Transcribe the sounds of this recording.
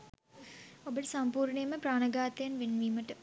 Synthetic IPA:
obəʈəsɐmpuːɾɳejməpɾaːnɐɡaːt̪ejanʋenʋiːməʈə

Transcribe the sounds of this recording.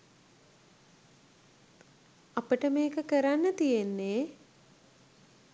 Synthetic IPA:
apəʈəmeːkəkəɾanːət̪ijenːeː

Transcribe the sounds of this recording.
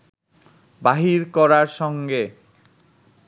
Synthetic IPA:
baɦiɾkɔɾaɾʃɔŋɡe

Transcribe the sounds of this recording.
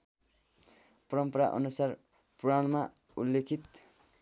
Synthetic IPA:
pʌɾʌmpʌɾaʔʌ̰nusar | puɾaɳma | ulːekʰit̪

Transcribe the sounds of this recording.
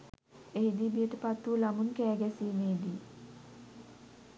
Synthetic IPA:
eɦid̪ibijəʈəpat̪ːuːlamunkæːɡæsiːmeːd̪i

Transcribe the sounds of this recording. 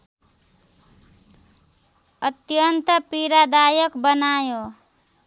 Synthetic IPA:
ət̪jənt̪əpiɾad̪ajəkbənajo

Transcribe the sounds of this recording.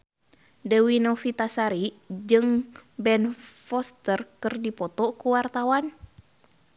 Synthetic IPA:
dɛwinɔfit̪asaɾid͡ʒɨŋbɛnfɔst̪ərkɨrdipɔt̪ɔkuwart̪awan

